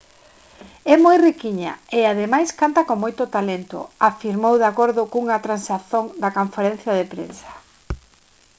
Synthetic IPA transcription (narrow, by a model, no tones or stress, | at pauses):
ɛmojrikiɲa̰eað̞emajskant̪akoŋmojt̪ʊt̪alent̪ʊ̰afiɾmowðakoɾðʊkuŋɐt̪ɾansaθoŋd̪ɐkoɱfeɾẽn̟θjaðepɾḛnsɐ̥